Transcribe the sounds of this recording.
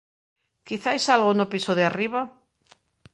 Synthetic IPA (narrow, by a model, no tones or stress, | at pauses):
kiθajsalɣonʊpisoðeariβa